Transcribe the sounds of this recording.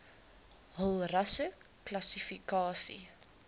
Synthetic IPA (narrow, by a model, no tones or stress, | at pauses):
ɦəlˠrɐsə | klɐsifikɑːsḭ